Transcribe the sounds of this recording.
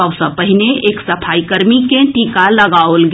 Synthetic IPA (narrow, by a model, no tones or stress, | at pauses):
ɔʋsɐpəɦɪneʔeːksɐpʰaːikəɾmikẽʈiːkalɐɡaːolɡ